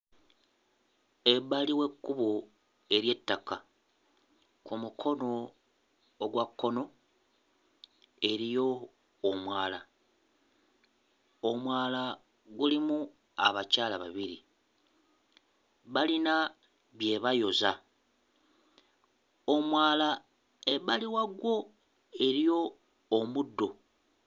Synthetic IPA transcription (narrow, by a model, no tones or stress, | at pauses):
eβaliwe̞kːuβo | e̞ɾje̞tːaka | kumukʰo̞no̞ː | ɡwakːo̞no̞ | e̞ɾijo̞ː | mwaːla | omwaːla | ɡulimu | a̰βacaːlaβaβiɾi | βalina | βje̞βajo̞za̰ | o̞mwaːla | eβaliwaɡwo̞ | e̞ɾijo̞ː | mudːo̞